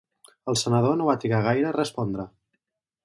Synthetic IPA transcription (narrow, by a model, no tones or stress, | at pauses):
əlˠsənəðonoβat̪ɾiɣaɣ̞ajɾəːrəspɔnd̪ɾə